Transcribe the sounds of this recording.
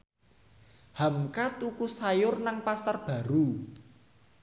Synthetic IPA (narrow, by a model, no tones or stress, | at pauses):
hamkat̪ukusajʊrnaŋpasarb̥ä̤ɾu